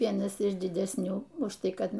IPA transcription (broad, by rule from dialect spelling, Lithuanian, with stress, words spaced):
ˈʋʲiɛnɐs ɪʃ dʲɪdʲɛsʲˈnʲuː ʊʃ ˈtɐɪ ˈkɐt